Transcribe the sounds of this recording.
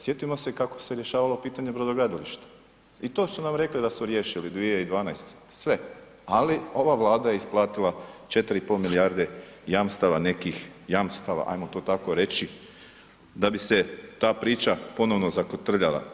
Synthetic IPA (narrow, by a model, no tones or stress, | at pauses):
sje̞t̪imo̞sekako̞̥seɾje̞ʃaːʋalˠo̞piːt̪aɲe̞pɾod̪oɡad̪aliʃt̪ḁ | it̪o̞ːsunamɾe̞klid̪asmuɾje̞ːʃilid̪ʋijeid̪ʋaːnajst̪ | sʋe̞ | alio̞ʋaʋlˠaːd̪aje̞isplˠaːt̪ilat͡ʃe̞t̪ɾiipolmilijaɾd̪e | jamst̪aʋane̞kixjamst̪aʋa̰ʔa̰jmot̪o̞ːt̪ako̞ɾe̞t͡ʃi | d̪abise̞t̪aːpɾiːt͡ʃapo̞no̞ʋnozakot̪r̩ʎa̰lˠa̰